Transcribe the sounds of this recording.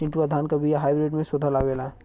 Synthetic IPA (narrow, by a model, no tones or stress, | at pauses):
ɪ̃ɳʈuad̪ʱaːnkabijaɦaːjbɾeːɖmẽsʊd̪ʱalaʋeːlaɦ